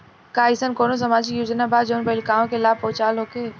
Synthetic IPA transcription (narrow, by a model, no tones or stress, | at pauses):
kaːɪsənkoːnos̬ɐmaːd͡ʒijuːd͡ʒnabaːd͡ʒoːnpɐɪlkaːõkelaːpoːt͡ʃaːlɦoːkeː